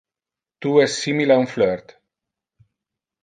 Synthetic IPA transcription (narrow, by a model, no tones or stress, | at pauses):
t̪uɛssːimilaunfløɾt̪